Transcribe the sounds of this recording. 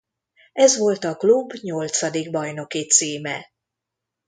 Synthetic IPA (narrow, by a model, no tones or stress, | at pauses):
ɛzʋo̞lt̪ɒklubɲo̞lt̪sɒd̪iɡbɒjno̞kit̪siːmɛ̰